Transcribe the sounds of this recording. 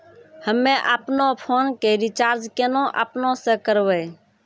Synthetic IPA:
həmːẽʔəpnõpʰoːnkeɾit͡ʃaːɾd͡ʒkenõʔə̰pnõsẽkəɾʋɛ

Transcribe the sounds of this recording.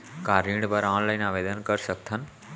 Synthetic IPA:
kaːɾiːɽ̃bəɾãːɽ̃laːinaːʋeːd̪ənkɐɾsɐk̚t̪ʰən̆

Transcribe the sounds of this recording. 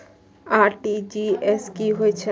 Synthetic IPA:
aɾʈid͡ʒieskiɦoet͡ɕʰe

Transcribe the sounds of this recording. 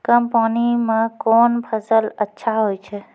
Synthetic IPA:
kəmpanimekoːnpʰəsələtːʃʰaɦojt͡ʃʰɛ

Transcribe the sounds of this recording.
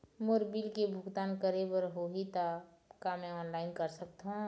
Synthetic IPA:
moɾbilkebʱʊkt̪aːnkəɾebəɾɦoɦit̪a | kamɛ̃ɔːnlaːɪnkəɾsək̚t̪ɦũ

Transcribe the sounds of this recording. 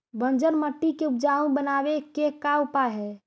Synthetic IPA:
bə̃nd͡ʒənməʈːikeup̚d͡ʒaũbənabekekaupaɦɛː

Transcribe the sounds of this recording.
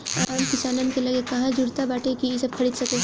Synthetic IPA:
aːmkɪsaːnənkelɐɡekɐɦãd͡ʒʊɽt̪abaːʈekiesɐb̚kʰɐɽiːd̪sɐkẽ

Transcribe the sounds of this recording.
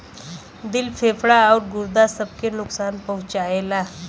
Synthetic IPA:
d̪ɪlpʰeːfʰɽaɔːɾɡʊɾd̪asɐb̚kenʊksaːnpɐɦʊ̃t͡ʃaːelaː

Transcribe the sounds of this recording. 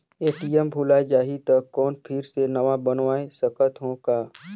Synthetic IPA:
eːʈiɛmbʱʊlad͡ʒaːɦit̪ɐkːɔːnpʰɪɾsenɐʋabənʋaːesəkət̪ɦõkaː

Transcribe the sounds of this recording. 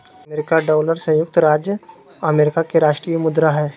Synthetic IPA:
ɐmeːɾɪkaɖɔːləɾsə̃jʊk̚t̪ɾaːd͡ʒjə | ɐmeːɾɪkakeɾaːʃʈɾijəmʊd̪ɾaɦɛː

